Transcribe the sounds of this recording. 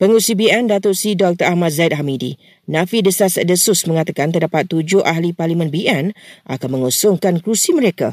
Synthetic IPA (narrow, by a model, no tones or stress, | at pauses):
pəŋusibiɛndat̪oʔsidɔk̚t̪əʔahmãt̪̚zait̪̚ɦamidḭ | nãfidəsasdəsʊsmə̃ŋat̪akant̪ərdapat̪ːud͡ʒʊʔaɦliparlimə̃nbiʔɛnʔa̰kanmə̃ŋosɔŋkankɾusiməɾeka̰